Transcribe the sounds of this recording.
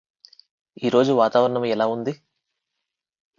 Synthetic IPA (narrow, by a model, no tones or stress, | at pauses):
iːɾo̞ːd͡ʒuʋaːt̪aːʋɐɾɐɳɐmɛlaːund̪i